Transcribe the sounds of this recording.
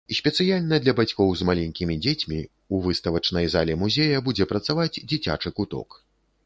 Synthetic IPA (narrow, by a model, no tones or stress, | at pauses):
isʲpʲɛt̪sɨjalʲnɐd̪lʲɐbat͡sʲkɔwzmalʲɛnʲkʲimʲid͡zʲet͡sʲmʲi | uvɨst̪ɐvɐt͡ʂnɐjzalʲɛmuzʲejɐbud͡zʲɛpɾɐt̪savad͡zʲd͡zʲit͡sʲa̰t͡ʂɨkut̪ɔ̰k